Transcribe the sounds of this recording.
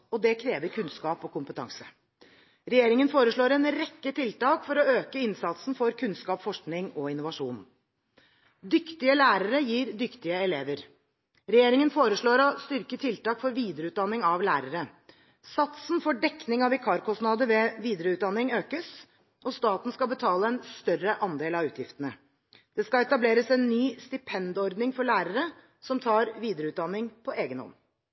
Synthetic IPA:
ɔd̪ɛkʰɾeːʋəɾkʰʉnskɑːpɔkʰʊmpət̪ʰɑ̰ŋsə̥ | ɾɛjeːɾɪŋənfoːɾəʂɭoːɾɛnɾɛkːət̪ʰɪlt̪ɑːkfɔɾɔøːkəɪnsɑt̪sn̩fɔɾkʰʉnskɑːpfɔʂknɪŋɔɪnːʊʋɑʂṵːn | d̪ʏkt̪ɪəlæːɾəɾəjiːɾd̪ʏkt̪ɪəɛleːʋəɾ | ɾɛjeːɾɪŋənfoːɾəʂɭoːɾɔst̪ʏɾkət̪ʰɪlt̪ɑːkfɔɾʋiːd̪ɾəʉːt̪̚d̪ɑnːɪŋɑʋlæːɾəɾə | sɑt̪snfɔɖɛknɪŋɑʋɛkʰɑːɾkɔsnɑːd̪əʋɛʋiːd̪ɾəʉːt̪d̪ɑnːɪŋøːkəs | ʔɔst̪ɑːt̪n̩skɑlbət̪ʰɑːləɛnst̪œrəʔɑnd̪eːlɑʉːt̪jɪft̪ənə | d̪̥ɛskɑɛt̪ɑbleːɾəsɛnːyːst̪ɪpʰɛnd̪ɔɾd̪nɪŋfɔɭæːɾəɾə | sɔmt̪ʰɑːɾʋiːd̪ɾəʉːt̪d̪ɑnːɪŋpʰɔʔeːɡənhɔ̰mː

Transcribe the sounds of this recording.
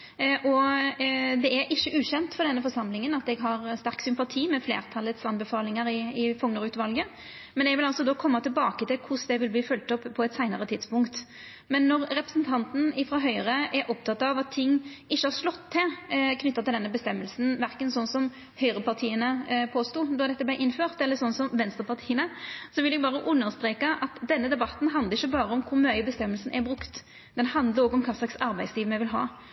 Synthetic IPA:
ʔɔ | d̪ɛæɾʔɪçːəʔʉːɕɛnt̪fɔdɛnːəfɔɾʂɑmlɪŋənɑt̪ɛɡɦɑɾst̪æɾksʏmpɑt̪ʰiːmɛflḛːʁt̪ʰɑlːət̪sɑnbəfɑːlɪŋəɾɪɪfɔŋːəʁʉːt̪ʋɑlɡə | mɛnɛɡʋɪlɑlsɔd̪oːkʰɔmːɑt̪ʰɪlbɑːkət̪ʰɪlkʰʊsd̪ɛʋɪlb̪iːfœlt̪ɔpːpʰːɔɛt̪sæɪnəɾət̪ʰɪd̪spʊŋkt̪ | mɛnːɔɾɾɛpɾəsnt̪ʰɑnt̪n̩ɪfɾɑːɦœʏʁəʔɛɾʔɔp̚t̪ʰɑt̪ɑʋɑt̪ʰːɪŋːɪçːəhɑɾʂlɔt̪ʰːɪlkʰnʏt̪ːɑt̪ɪld̪ɛnːəbəst̪ɛmːəlsn̩ʋæʁkənsɔnsɔm | hœʏʁəpɑʁt̪ʰiːənəpʰoːst̪uːd̪ɔd̪ɛt̪ːəblæɪʔɪnːføːʁt̪ɛlːəsɔnːsɔmʋɛnst̪əʁpɑʁt̪ʰiːənəsɔʋɪljɛɡ̚bɑːʁəʔʉnːəʁst̪ɾeːkɑʔɑt̪d̪ɛnːəd̪ɛbɑt̪ːn̩ɦɑnd̪ləʁɪçəbɑːɾəɔmkʰʊɾmœʏbəst̪ɛmːəlsn̩ʔɛbɾʉkt̪ | d̪̥ɛnhɑnd̪ləɾɔːɡɔmkʰɑːslɑksɑɾbæɪsliːʋmɛʋɪlɦɑ̰ː

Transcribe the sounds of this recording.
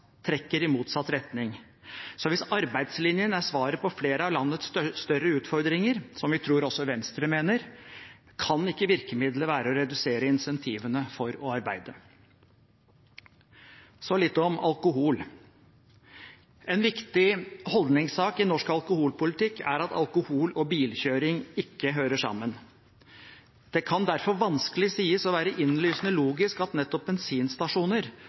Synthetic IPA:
t̪ʰɾɛkːəɾɪmuːt̪sɑt̪ːɾɛt̪nɪŋ | sɔʋɪsɑɾbæɪd̪slɪnjənæʂʋɑːɾəpʰɔfleːɾəɑʋlɑnːət̪sst̪œɾːəʉːt̪fɔɾd̪ɾɪŋəɾsɔmʋɪt̪ʰɾuːɾɔsːɔʋɛnst̪ɾəmeːnəɾ | kʰɑnɪkːəʋɪɾkəmɪd̪ləʋæːɾəɔɾɛd̪ʉseːɾəɪnsɛnt̪ʰiːʋənəfɔɾɔɑɾbæɪd̪ə | sɔlɪt̪ːɔmɑlˠkʊɦuːl | ɛnʋɪkt̪ɪhɔld̪nɪŋsɑːkɪnɔʂkɑlkʊhuːlpʊlɪt̪ɪkːæ̰ɾɑt̪ʰɑ̰lkʊhuːlɔbiːlçøːɾɪŋɪkːəɦøːɾəʂɑ̰mːən | d̪̥ɛkʰɑnd̪æɾfɔɾʋɑnskəlɪsiːəsɔʋæːɾəʔɪnlyːsnəloːɡɪskɑt̪nɛt̪ːɔp̚bɛnsiːnst̪ɑʂuːnəɾ

